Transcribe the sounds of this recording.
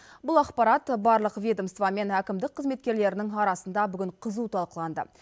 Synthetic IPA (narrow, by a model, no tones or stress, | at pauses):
bʊlˠɑqpɑɾɑt̪bɑɾlˠəqvʲe̞d̪omst̪vɑme̞nækʲɪmd̪ɪk̚qʰːəzme̞t̪̚kʲe̞ɾle̞ɾɪnɪŋɑɾɑsənd̪ɑbʏɡʲɪɴqʰəzut̪ʰɑlˠqəlˠɑnd̪ə̰